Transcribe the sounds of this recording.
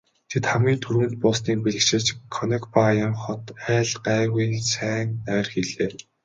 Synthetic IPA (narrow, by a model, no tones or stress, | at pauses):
t̪ʰet̪χæmɡʲiːnt̪ʰɵɾɘ̆nt̪̚pʊːsniːk̚peɮɘ̆kt͡ɕɪ̆t͡ɕkʰɔnɛ̆kpajə̆mχɔt̪æːɮɢæːɣuj̪sæːnnæːrxiɮeː